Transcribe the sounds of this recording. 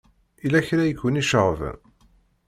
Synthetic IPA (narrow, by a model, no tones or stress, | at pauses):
ilæçɾæjəkːʊniʃəʁvə̰n